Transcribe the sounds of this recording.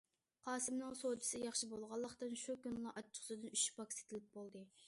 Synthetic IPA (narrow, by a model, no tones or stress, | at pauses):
qʰɑːsɨmnɨŋsod̪ɨ̥sɪjɑχʃibolˠʁɑlˠːəqt̪ɨnʃukʲynlˠɑʔɑt͡ʃʰːə̥χsɨd̪ɨnyʃpɑkʲse̥t̪ʰɪlɪp̚bolˠd̪ɨ